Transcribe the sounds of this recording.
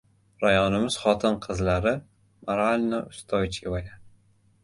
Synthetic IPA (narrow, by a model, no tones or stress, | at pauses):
ɾajɒnɪmɪz̥χɒt̪ʰɪnqʰɨzlaɾɪ | maɾalʲnɒʊst̪ʰɒjɪt͡ʃjʲɪvaja